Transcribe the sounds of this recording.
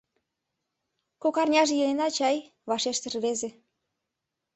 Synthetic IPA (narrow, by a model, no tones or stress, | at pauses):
kokɑrnʲɑʒejenenɑt͡ɕɑj | βɑʃeʃt̪ə̆rβeze